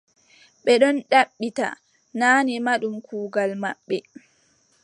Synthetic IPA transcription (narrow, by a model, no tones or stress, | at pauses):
ɓɛɗɔnɗaɓːita̰ | naːnimaɗumkʰuːɡalma̰ɓːɛ